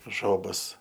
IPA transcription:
ˈʒoːbɐs

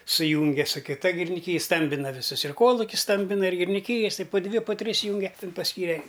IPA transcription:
sʊˈjuːŋʲɡʲɛ sʊ kʲɪˈtɐ ɡʲɪrʲɪnʲɪˈkʲiːj ˈstɐmʲbʲɪnɐ ʋʲɪˈsʊs ɪr ˈkoːlˠʊkʲʊs ˈstɐmʲbʲɪnɐ ɪr ɡʲɪrʲɪnʲɪˈkʲiːjɛs tɐɪ pʊ ˈdʲʋʲɪ pʊ ˈtʲrʲɪs ˈjuːŋʲɡʲɛ ˈtʲɪn pɐsʲˈkʲiːrʲɛ

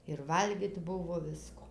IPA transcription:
ɪr ʋɐlʲˈɡʲiːt ˈbʊʋoː ˈʋʲɪskoː

